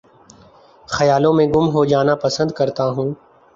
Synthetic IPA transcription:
xɐjaːlõmẽɡʊmɦod͡ʒaːnapɐsə̃nd̪̚kɐɾt̪aɦũː

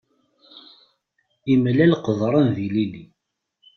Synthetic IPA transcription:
imlælqəðˤɾˤənðilili

